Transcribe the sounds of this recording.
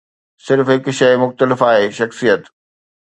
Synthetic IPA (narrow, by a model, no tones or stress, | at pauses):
sɪɾfɦɪkʃɐmʊxt̪əlɪfaːɦeːʃɐxsijət̪